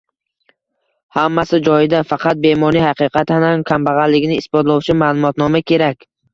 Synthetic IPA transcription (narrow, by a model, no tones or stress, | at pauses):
hamːasɪd͡ʒɒjɪd̪afɑqʰɑt̪̚be̞mɒnijhɑqɨqʰɑt̪anankʲʰambaʁɑnlːɪɡʲɪnɪːsbɒt̪lˠɒwt͡ʃʰɪmalˠʊmɒt̪nɒmakʲʰe̞ɾakʲ